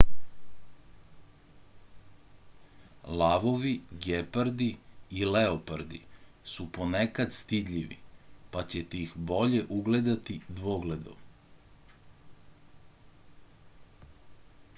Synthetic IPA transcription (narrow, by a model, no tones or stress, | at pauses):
lˠaʋo̞ʋiɡepaɾd̪iːleopaɾd̪ḭsupo̞nekad̪st̪id̪ʎʲiʋḭpat͡ɕet̪ixbo̞ʎeʔuɡled̪at̪id̪ʋoɡled̪o̰m